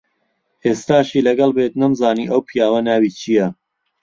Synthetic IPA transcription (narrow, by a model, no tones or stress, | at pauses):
ʔeːst̪aːʃiːlɐɡɐlbet̪nɨmzaːniːʔɐwpʰijaːwɐnaːwiːt͡ʃʰijɐ